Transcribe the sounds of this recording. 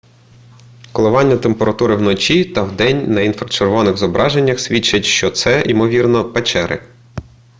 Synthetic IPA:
kɔlˠɔʋɑnʲːɐt̪empeɾɐt̪uɾɪwnɔt͡ʃit̪ɐwd̪ɛnʲnɐinfɾɐt͡ʃerʋɔnɪɣzɔbɾʔɑʒenʲːɐxsʲʋʲit͡ʃːɐtʲʃt͡ʃɔt̪sɛʔimɔʋʲirnɔpɛt͡ʃɛɾɪ̰

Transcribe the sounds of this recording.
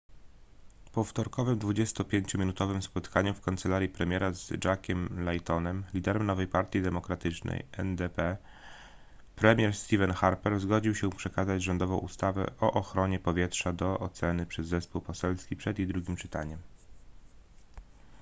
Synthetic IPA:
pɔft̪ɔɾkɔvɘmd̪vud͡ʑɛst̪ɔpʲjeɲt͡ɕɔmʲinut̪ɔvɘmspɔt̪kaɲufkant̪sɛlaɾjipɾɛmʲjɛɾazd͡ʐakʲɛmlajt̪ɔnɛmlʲid̪ɛɾɛmnɔvɛjpaɾt̪ʲjid̪ɛmɔkɾat̪ɘt͡ʂnɛ̰jɛ̰nd̪ɛpɛ | pɾɛmʲjɛɾst̪ʲivɛnxaɾpɛɾzɡɔd͡ʑiwɕɛpʂɛkazad͡ʑʐɔnd̪ɔvɔ̃w̃ʔust̪avɛ̰ʔɔʔɔxɾɔɲɛpɔvʲjɛtʂad̪ɔʔɔt̪sɛnɘpʂɛzːɛspuwpɔsɛlskʲipʂɛd̪jijd̪ɾuɡʲimt͡ʂɘt̪a̰ɲɛm

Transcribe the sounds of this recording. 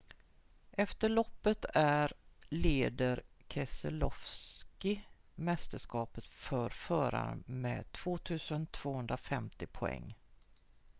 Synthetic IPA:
ʔɛft̪əɭɔpːət̪ʰæɾleːd̪əɾ | kʰɛsə̰lɔfskɪ | mɛst̪əʂkɑːpət̪fœɾfœːɾa̰mɛ̰ːt̪ʰv̥oːt̪ʰʉ̟ːsənt̪ʰv̥oːɦɵnd̪ɾafɛmt̪ɪpʰʊɛ̰ŋː

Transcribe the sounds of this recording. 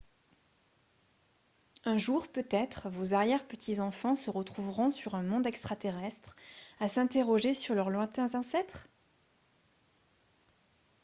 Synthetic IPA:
ɛ̃ʒuʁpøt̪ɛt̪χvozaʁjɛʁpət̪ʰizɑ̃fɑ̃səʁət̪χuvʁɔ̃syʁɛ̃mɔ̃d̪ɛkst̪χat̪eʁɛst̪χasɛ̃t̪eʁɔʒesyʁlœʁlwɛ̃t̪ɛ̃zɑ̃sɛt̪χ

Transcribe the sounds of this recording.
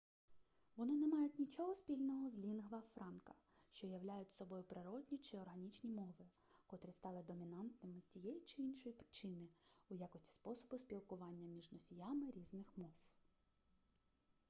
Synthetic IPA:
ʋɔnɪnɛmɑjʊtʲnʲit͡ʃɔɦɔspʲilʲnɔɦɔzlʲinɦʋɐfɾɑnkɐ̥ | ʃt͡ʃɔjɐwlʲajʊtʲsɔbɔjʊpɾɪɾɔd̪ʲnʲit͡ʃɪɔrɦɐnʲit͡ʃnʲimɔʋɪ | kɔt̪ɾɪst̪ɑlˠɪd̪ɔmʲinɑnt̪nɪmɪzʲt͡sʲijɛjit͡ʃɪinʃɔjipɾɪ̥t͡ʃɪnɪʊjakɔsʲtʲi̥spɔsɔbʊspʲilˠkʊʋɑnʲːɐmʲiʒnɔsʲijamɪɾʲiznɪxmɔw

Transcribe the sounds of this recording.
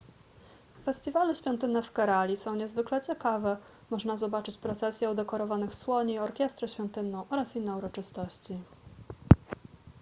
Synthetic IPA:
fɛsʲt̪ʲivalɘɕfʲɔ̃nt̪ɘnːɛfkaɾalʲisɔ̃w̃ɲɛzvɘklɛt͡ɕɛkavɛ | mɔʐnazɔbat͡ʂɘt͡ɕpɾɔt̪sɛsʲjɛud̪ɛkɔɾɔvanɘxswɔɲɛiɔɾkʲjɛst̪ɾɛɕfʲjɔ̃nt̪ɘnːɔ̃w̃ʔɔɾasinːɛuɾɔt͡ʂɘst̪ɔɕt͡ɕi

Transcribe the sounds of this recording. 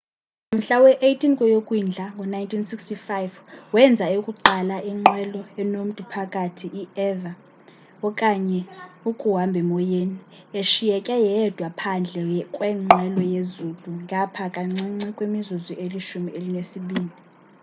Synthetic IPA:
m̩ɬawɛʔejtʰinkʼɔjokʼwind͡ɮʱaŋɡʱɔnajntʰinsikstifajvwɛnd͡zʱaokʼuǃalaʔiŋ͡ǃɛlɔɛnom̩tʼupʰakʼatʰiʔiɛva | ɔkʼaɲɛukʼuɦambʱɛmɔjeni | eʃijɛkʼɛjɛd̥ʱwapʰand͡ɮʱɛkʼwɛːŋ͡ǃʱɛlɔjezutʼuŋʱapʰakʼaŋ͡ǀiŋ͡ǀikʼwemizuziʔeliʃumiʔelinesiɓiːli

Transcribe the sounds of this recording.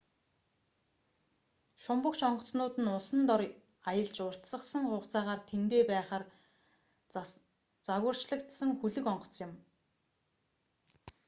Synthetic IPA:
ʃʊmpə̆kt͡ɕɔɴɢɞ̆t͡snʊːt̪ɘ̆nʊsə̆nt̪ɔɾ | ajə̆ɮt͡ɕʊr̥t̪sə̆χsə̆ŋχʊːχt͡saːʁaːrt̪ʰent̪eːpæːχaːr | t͡saɣə̆r̥t͡ɕɮə̆kt̪sə̆ŋxuɮɵ̆kɔɴɢɞ̥̆t͡sjɪ̆m

